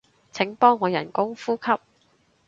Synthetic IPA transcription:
t͡sʰɪ˨˥ŋpɔː˥ŋːɔː˨˧jɐ̰˨˩nkʊ˥ŋfuː˥kʰɐ˥p̚

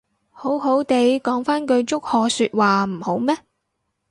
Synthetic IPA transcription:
ho˨˥wɦo˨˥wt̪e˨˧jkɔː˨˥ŋfaː˥nkɵ˧ɥt͡ʃʊ˥k̚hɔː˧syː˧t̚waː˨m̩˨˩ho˨˥wmɛː˥

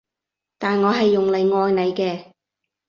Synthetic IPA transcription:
t̪aː˨nŋɔː˨˧ɦɐ˨jːʊ˨ŋlɐ˨˧jŋɔː˧jnɐ˨˧jkɛː˧

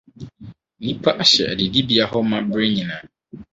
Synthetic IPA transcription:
nĩ˦pʰa˦ʔa˨ɕɛ̰˨dɪ˨di˦bi˨a˨ɦɔ˦mã˦bɾɪ˦ɲĩ˨nãː˨

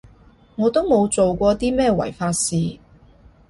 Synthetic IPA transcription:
ŋɔː˨˧t̪o˥wmo˨˧wt͡so˨wkʷɔː˧t̪iː˥mɛː˥˧wɐ̰˨˩jfaː˧t̚siː˨˧

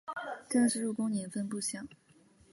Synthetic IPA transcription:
ʈ͡ʂɤ˥˧ŋʂɻ̩˥˧ɻu˥˩kʊ˥ŋni˨˩ŋfə˥npu˥˩ɕjɑ˥˩˦ŋ

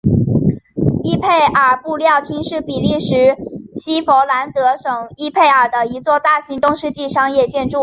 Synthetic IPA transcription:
i˥pʰe˥˩ɪʔə˞˨˩pu˥˧ljɑ˥˩ʊt̪ʰi˥ŋʂɻ̩˥˩pi˨˩li˥˩ʂɻ̩˧˥ɕi˥fo˧˥ʊla˧˥nt̪ɤ˧˥ʂɤ˨˩ŋi˥pʰe˥˩ɪə˞˨˩d̪ə˦i˧˥t͡swɔ˥˧t̪a˥˩ɕi˧˥ŋt̪ʊ˥ŋʂɻ̩˥˧t͡ɕi˥˩ʂɑ˥ŋjɛ˥˩t͡ɕjɛ˥˧nʈ͡ʂu˥˩

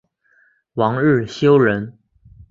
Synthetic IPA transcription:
wɑ˧˥ŋɻɻ̩˥˩ɕjo˥ʊɻə˧˥n

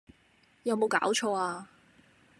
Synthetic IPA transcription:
jɐ˨˧wmo˨˧wka̰ː˨˥wt͡ʃʰɔː˧aː˧

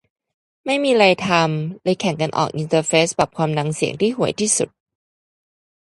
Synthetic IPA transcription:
ma˥˩jmiː˧ɾa˧jt̪ʰa˧mlɛ˧jkʰɛ˨˩˦ŋka˧nʔɔ̰ː˨˩k̚ʔi˧nt̪ɤː˧feː˦˥spa˨˩p̚kʰwaː˧mna˧ŋsi˨˩əŋt̪ʰiː˥˩ɦu˨˩˦əjt̪ʰiː˥˩sṵ˨˩t̪̚

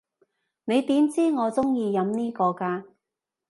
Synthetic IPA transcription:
ne˨˧jt̪iː˨˥mt͡siː˥ŋɔː˨˧t͡sʊ˥ŋjiː˧jɐ˨˧mniː˥kɔː˧kaː˧

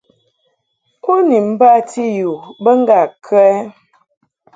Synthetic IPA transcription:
ko˦ni˨m̩˦ba˦˨tʰi˦ju˨bə˦ŋ˦ɡa˨kʰɛ˦

